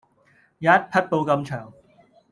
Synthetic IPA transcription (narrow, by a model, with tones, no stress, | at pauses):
jaː˨˦jɐ˥t̚pʰɐ˥t̚po˧wkɐ˧mt͡ʃʰœː˨˩ŋ